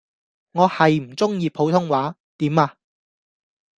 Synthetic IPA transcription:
ŋɔː˨˧hɐ˨jm̩˨˩t͡sʊ˥ŋjiː˧pʰo˨˥wt̪ʰʊ˥ŋwaː˨˥ | t̪iː˨˥maː˧

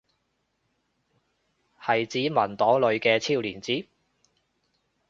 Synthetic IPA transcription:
hɐ˨jt͡siː˨˥mɐ˨˩nt̪ɔː˨˥ŋlɵ˨˧ɥkɛː˧t͡sʰiː˥˧wliː˨˩nt͡siː˨˥

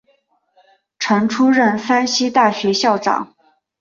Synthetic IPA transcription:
ʈ͡ʂʰɤ˧˥ŋʈ͡ʂʰu˥ɻə˥˩nfa˥nɕi˥t̪a˥˩ɕɥɛ˧˥ɕjɑ˥˩ʊʈ͡ʂɑ̰˨˩˦ŋ

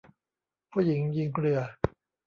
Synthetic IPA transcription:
pʰu˥˩ji˩˦ŋji˧ŋkʰlɯ˧ɐ

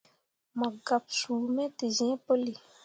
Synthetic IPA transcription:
mã˨ɡa˨p̚su˨mɛ̃˦te˨zɛ̃˨˦pə˦li˨

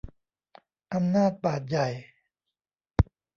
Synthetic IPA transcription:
ʔa˧mnaː˥˩t̪̚paː˨˩t̪̬̚ja˨˩j

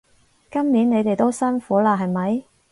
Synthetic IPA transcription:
kɐ˥mniː˨˥nne˨˧jt̪e˨jt̪o˥wsɐ˥nfuː˨˥laː˧ɦɐ˨jmɐ˨˧j

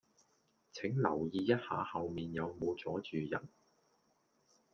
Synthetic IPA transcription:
t͡sʰɪ˨˥ŋlɐ̰˨˩wjiː˧jɐ˥t̚haː˨˧hɐ˨wmiː˨njɐ˨˧wmo˨˧t͡sɔː˨˥t͡ʃyː˨jɐ̰˨˩n

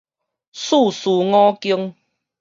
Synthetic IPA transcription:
su˥˨su˨ŋɔ̃˦ki˦əŋ

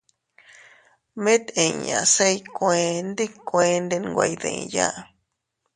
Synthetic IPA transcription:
mẽ˦t̪ẽ˨ɲã̰˨se˦˧jkʷẽ˧nd̪i˦kʷẽ˧nd̪e˧nɡʷa̰˧jðḛ̃˨ja̰˦ʔ

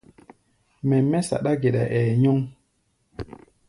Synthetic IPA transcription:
mɛ˨mɛ˦sa̰˨ɗa˦ɡe˨ɗa˨ʔɛ˨ɲɔ˦ŋ

